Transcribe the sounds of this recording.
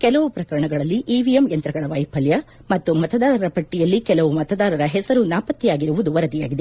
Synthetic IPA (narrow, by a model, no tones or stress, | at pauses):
kɛlɐʋupɾɐkɐɾɐɳɐɡɐɭɐlːiʔiʋijemjɐnt̪ɾɐɡɐɭɐʋɐjpɐljɐ | mɐt̪ːumɐt̪ɐd̪aːɾɐɾɐpɐʈːijɐlːikɛlɐʋumɐt̪ɐd̪aːɾɐɾɐɦɛsɐɾunaːpɐt̪ːijaːɡiɾuʋud̪uʋɐɾɐd̪ija̰ːɡid̪e